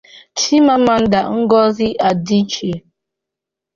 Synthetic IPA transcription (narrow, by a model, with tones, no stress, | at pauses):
tʰi˦ma˦ma˨n̩˦da˨ŋ̩˦ɡɔ˦zi˦ʔa˨di˦t͡ʃe˨